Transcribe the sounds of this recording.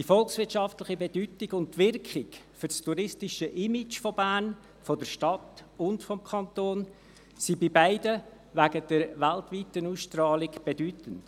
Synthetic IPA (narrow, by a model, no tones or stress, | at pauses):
d̥ifɔlksʋɪɾtʃɑftlɪχibedytɪɡʊnttːʋɪrkχɪkfʏɾstʰuɾɪstɪʃəʔɪmɪt͡ʃfɔbæːn | fɔdəɾʃtɑtʊntfɔmkʰɑntoːn | sibɪbaɪdə | væɡəd̥ɛɾvæltvitənuːsʃtɾɑːlɪkb̥edytənt